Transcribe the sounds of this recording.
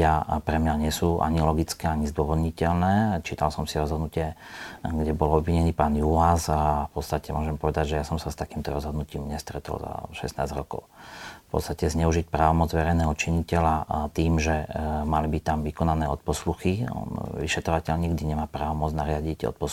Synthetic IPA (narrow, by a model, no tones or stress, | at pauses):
apɾɛmɲaɲɪɛsuːʔa̰ɲilɔɡit͡skɛːaɲizd̪ʊwɔʋɔd̪ɲicɛlnɛːt͡ʃiːt̪alsɔmsiɾɔzɦɔd̪nucɪɛɡɟɛbɔlɔbʋiɲɛniːpaːnjuasafpɔt̪st̪acɛmʊɔʒɛmpɔʋɛd̪aɟʒɛjasɔmsast̪akiːmt̪ɔɾɔzɦɔd̪nuciːmɲɛst̪ɾɛt̪ɔ̰lza̰ʃɛ̰sna̰ːzɾɔkɔ̰ʊfpɔ̰t̪st̪acɛzɲɛuʒic̚pɾaːʋɔmɔd͡zʋɛɾɛjnɛːɦɔt͡ʃiɲicɛlat̪iːmʒɛmalibict̪amʋikɔnanɛːɔt̪̚pɔsluxiɔ̰nʋḭʃɛt̪ɾɔʋacɛʎɲiɡd̪iɲɛmaːpɾaːʋɔmɔd͡znaɾɪaɟiɟɔ̰t̪̚pɔs